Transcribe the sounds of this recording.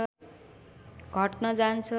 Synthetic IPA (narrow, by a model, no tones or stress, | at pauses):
ɡʱʌʈnʌd͡zant͡sʰʌ